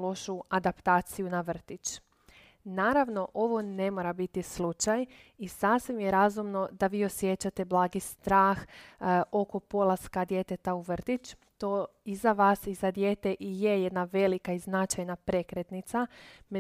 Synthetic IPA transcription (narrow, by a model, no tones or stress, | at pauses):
lo̞ʃuad̪apt̪aːt̪sijunaʋr̩t̪it͡ʃ | naːɾaʋno̞ʔo̞ʋo̞ne̞mo̞ɾabit̪islut͡ʃaj | isaːfsʋimjeɾazumno̞d̪aʋiːo̞sje̞t͡ɕat̪e̞blˠaːɡist̪ɾaːx | o̞ko̞po̞lˠaskad̪je̞t̪et̪auʋr̩t̪it͡ʃt̪o̞izaʋaːsizad̪je̞ːt̪e̞ʔije̞jed̪naʋe̞likaiznat͡ʃajnapɾe̞kɾet̪nit̪same